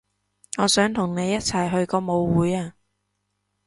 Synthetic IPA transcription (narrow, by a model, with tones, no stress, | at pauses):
ŋɔː˨˧sœː˨˥ŋt̪ʰʊ˨˩ŋne˨˧jːɐ˥t̚t͡sʰɐ˨˩jɦɵ˧ɥkɔː˧mo˨˧wwuː˨˥jaː˧